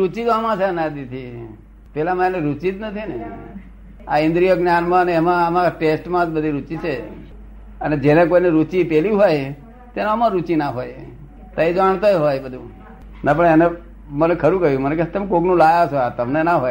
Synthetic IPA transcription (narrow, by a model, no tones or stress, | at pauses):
ɾut͡ʃit̪amãt͡ʃʰeənad̪it̪ʰi | pɛlãmãeneɾut͡ʃit̪nət̪ʰine | a̰ɪ̃nd̪ɾijəɡnjanmãəneːmãəmãʈesʈmãd͡ʒ̪bəd̪ʱiɾut͡ʃit͡ʃʰe | əned͡ʒenekoinɛɾut͡ʃipeliɦoj | t̪eneəmãɾut͡ʃinaɦoj | t̪aid͡ʒaɳ̃t̪ajɦojbəd̪ʱũ | napəɳene | mənekʰəɾũkəjũməneket̪əmkoɡnũlajat͡ʃʰoat̪əmnenaɦoj